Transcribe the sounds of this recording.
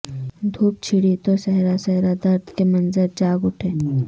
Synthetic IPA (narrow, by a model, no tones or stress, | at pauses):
d̪ʱuːp̚t͡ʃʰiɽit̪osɛɦɾasɛɦɾad̪ɐɾd̪ʱkemɐnzəɾd͡ʒaːɡʊʈʰeː